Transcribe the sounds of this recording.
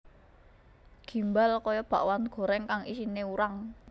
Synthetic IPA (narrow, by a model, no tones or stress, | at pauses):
ɡ̥i̤mbalkɔjɔb̥a̤ʔwanɡ̥ɔ̤ɾɛŋkaŋisineuɾaŋ